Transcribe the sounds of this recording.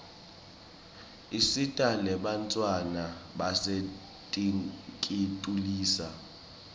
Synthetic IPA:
isitʼalɛɓant͡sʼwanaɓase | tʼikʼitʼuliːsa

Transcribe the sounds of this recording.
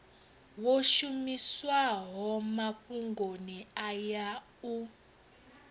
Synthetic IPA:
woʃumiswaɦɔmaɸuŋɡʱoniaja | u

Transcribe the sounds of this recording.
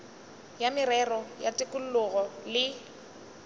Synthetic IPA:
jamɪrɛrɔjatʼɪkʼul̩lʊɣɔlɪ

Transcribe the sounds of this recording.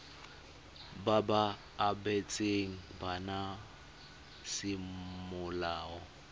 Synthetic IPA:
babaː | bɛt͡sʼeŋ̩bana | sɪmʊlaːɔ

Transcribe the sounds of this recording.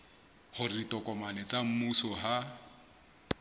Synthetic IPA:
hʊritʼɔkʼɔmanɛt͡sʼam̩musɔɦa

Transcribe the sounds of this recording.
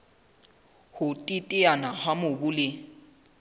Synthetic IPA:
hʊtʼitʼɪanahamʊbʊlɪ

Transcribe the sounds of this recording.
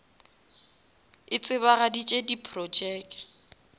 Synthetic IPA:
ɪt͡sʼɪβaɣadit͡ʃʼedipʰʼrɔd͡ʒɛːk

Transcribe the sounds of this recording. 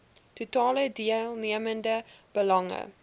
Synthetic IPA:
tutɑːlədiəlˠniəməndəb̥əlɐŋə̰

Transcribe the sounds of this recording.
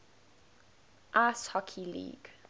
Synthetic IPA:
ʔashɔkʰilḭːɡ̥

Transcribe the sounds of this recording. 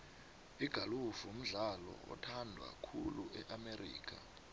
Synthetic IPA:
iɡ̥ʱalufum̩ɮalɔɔ̰tʰandʱwa̰kʰuluʔɛʔamerḭːk̬ʰa

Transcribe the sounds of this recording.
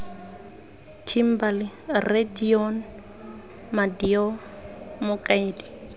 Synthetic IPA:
tʰim̩balɪrediɔn | madiɔ | mʊkʼaɪːdi̥

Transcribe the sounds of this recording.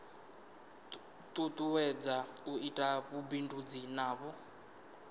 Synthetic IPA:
tʼut̪ʼuwɛd͡zauitʼaβubindud͡zinaːβɔ

